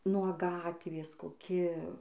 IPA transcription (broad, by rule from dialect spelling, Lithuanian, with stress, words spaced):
nuɔ ˈɡɑːtʲʋʲeːs koːˈkʲɪ